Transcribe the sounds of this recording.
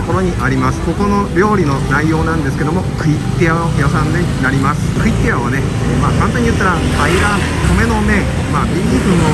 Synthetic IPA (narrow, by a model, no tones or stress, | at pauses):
okoɾo̞ɲ̟iʔaɾʲimasɨ̥ko̞ko̞no̞ɾʲo̞ːɾʲino̞naijo̞ːnãnd̪esɨ̥ke̞d̪o̞mo̞kɯ̟it̪ːejaojasãnd̪enaɾʲimasɨ̥kɯ̟it̪ːejaβane | maːkãnt̪ãɲ̟ːijɯt̪ːaɾa | ɡaiɾãn | k̪ome̞no̞mẽ | maːbʲĩikɯ̟̃no